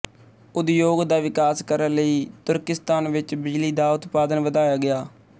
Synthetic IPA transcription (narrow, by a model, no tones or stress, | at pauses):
ʊd̪joːɡd̪aːʋɪkaːskəɾənləiːt̪ʊɾkɪst̪aːnʋɪt͡ʃbɪd͡ʒliːd̪aːʊt̪paːd̪ənʋəd̪aːjaːɡɪjaː